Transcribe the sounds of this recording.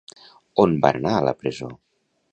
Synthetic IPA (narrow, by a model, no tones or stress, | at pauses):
onba̰ənaələ̰pɾəzo̰